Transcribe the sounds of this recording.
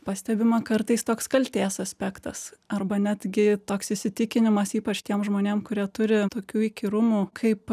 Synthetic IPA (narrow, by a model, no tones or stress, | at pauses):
pɐsʲt̪ʲæbʲɪmɐkɐrt̪ɐɪst̪oːkskɐlʲt̪ʲeːsɐsʲpʲæːkt̪ɐsɐrbɐnʲæd̪ʲɡʲɪt̪oːksɪʃsʲɪt̪ʲɪkʲɪnʲɪmɐsiːpɐt͡ʃt̪ʲiɛmʒmoːnʲeːmkʊɾʲiɛt̪ʊɾʲɪt̪oːkʲuːikʲɪɾʊmuːkʰɐɪp